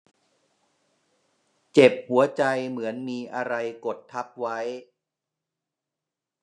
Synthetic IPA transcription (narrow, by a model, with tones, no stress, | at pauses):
t͡ɕe˨˩p̚hu˩˦ɐt͡ɕa˧jmɯ˩˦ənmiː˧ʔa˧ɾa˧jko˨˩t̪ʰːa˦˥p̚wa˦˥j